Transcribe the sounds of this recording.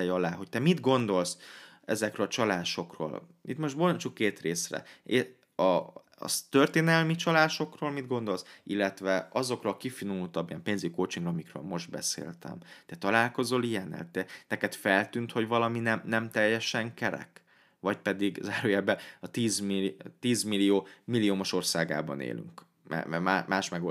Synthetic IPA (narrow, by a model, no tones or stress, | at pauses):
ɛjɒlaːɦo̞c̚t̪ɛmid̪ɡo̞nd̪o̞ls | ɛzɛkrølɒt͡ʃɒlaːʃo̞kro̰ːlḭt̪mo̞ʃt̪bolt͡ʃukːeːt̪reːsrɛ̰e | ɒ | ɒ̰st̪ørt̪eːnɛlmit͡ʃɒlaːʃo̞kroːlmid̪ɡo̞nd̪o̞lsilːɛt̪ʋɛɒzo̞krkifinuult̪ɒbːijɛmpeːnziɟikoːt͡ʃiŋɡrɒmikrø̰ːlmo̞ʒd̪̚bɛ̰sḛːlt̪ɛ̰mt̪ɛt̪ɒlaːlko̞zo̞lijɛnɛ̰lt̪ɛt̪ɛkɛt̪fɛlt̪ynt̪ho̞ɟʋɒlɒminɛmnɛmt̪ɛjːɛʃɛŋkɛɾɛ̰k | ʋɒc̚pɛd̪iɡzaːɾoːjaːbɛɒt̪iːzmit̪iːzmilijoːmilːioːmoʃo̞rsaːɡa̰ːbɒ̰nḛːly̰ŋk | mɛ̰mɛmaːmaːʃmɛɡo